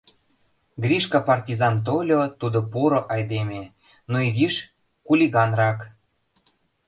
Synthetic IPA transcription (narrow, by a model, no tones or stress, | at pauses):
ɡrʲiʃkɑpɑrtʲizɑnt̪̬olʲot̪ud̪opuɾŏʔɑjd̪emʲe | noiziʃ | kulʲiɣɑnrɑk